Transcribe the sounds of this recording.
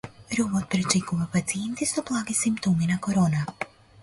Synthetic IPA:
ɾuβot̪̚pɾet͡ʃikuʋapat̪sient̪isublˠaːɡisimpt̪oːminakoɾona

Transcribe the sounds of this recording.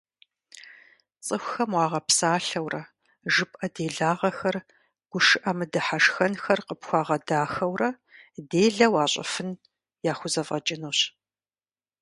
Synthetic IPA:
t͡sʼɨxʷxɐmwɑːʁɐpsaːɬɐwrɐ | ʒɨpʼʔɐdeːɮaːʁɐxɐr | ɡ̥ʷʊʂɨʔɐmɨdɨħaʂxɐnxɐrqəpxʷɑːʁɐdaːxɐwrɐ | deːɮɐwaːɕʼɐ̰fɨn | jaːχʷʊzɐvʁɐt͡ʃʼɪnuːɕ

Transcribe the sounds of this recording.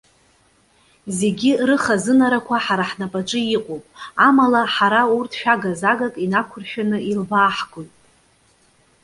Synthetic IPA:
ze̞ɡʲirɨχazɨnaɾakʷʰaħaɾaħnapʼaʈ͡ʂʼɨiqʼowpʼamalaħaɾaurtʰʃᶣaɡazaɡakʼinakʷʰʊrʃᶣanɨilbaːħɡʼojtʼ

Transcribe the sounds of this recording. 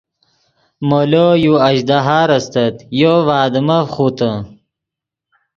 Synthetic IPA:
molojuɐɕd̪aɦaːɾɐst̪ɐt̪jovaːd̪əmɐχut̪ə

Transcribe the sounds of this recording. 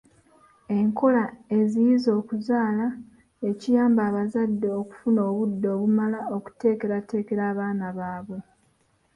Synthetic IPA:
e̞ŋkʰo̞lae̞zijizo̞ːkuzaːla | e̞cijaːmbaːβazadːe̞oku̥funo̞ːβudːo̞ːβumalao̞ku̥te̞ːke̞ɾate̞ːke̞ɾaːβaːnaβaːβwe̞

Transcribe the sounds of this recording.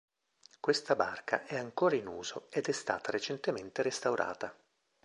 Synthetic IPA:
kwest̪abarkʰa̰ʔɛaŋkoːɾainuːzoed̪ɛst̪a̰ːt̪aɾet͡ʃent̪ement̪eɾest̪awɾʔa̰ːt̪a

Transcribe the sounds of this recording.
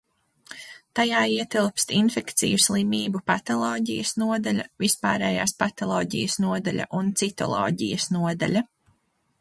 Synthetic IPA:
t̪ajaːiɛt̪ilˠpst̪infɛkt̪sḭjuslˠimiːbupat̪ɔlˠɔːɟijɐsnuɔd̪aʎʲɐvispaːɾɛːjaːspat̪ɔlˠɔːɟḭjɐsnuɔd̪aʎʲa̰ʔunt̪sit̪ɔ̰lˠɔ̰ːɟḭjɐsnuɔd̪a̰ʎʲɐ

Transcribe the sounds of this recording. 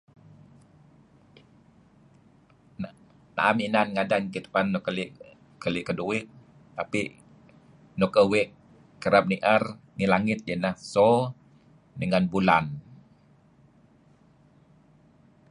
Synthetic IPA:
na̰ʔaminanŋadankit̪ə̥panːɔkəliʔ | kəliʔkəduwɪt̪̚ː | apiʔ | nɔkəwɛʔ | kːəɾap̚niʔər | nilaŋɪt̪̚jənahsɔ | dəŋanbulan

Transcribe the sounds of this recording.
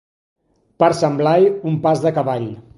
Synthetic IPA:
paɾsəmblajumpazðəkəβaʎ

